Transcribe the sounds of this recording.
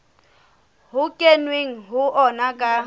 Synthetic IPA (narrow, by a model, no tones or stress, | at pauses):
ɦʊkʼenweŋ̩ɦʊʔɔnakʼa